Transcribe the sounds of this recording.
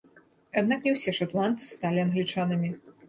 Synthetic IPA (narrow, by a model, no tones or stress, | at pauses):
ad̪̚naknʲɛwsʲɛʂat̪lˠant̪sɨ̥st̪alʲiɐnɣlʲit͡ʂanɨmʲi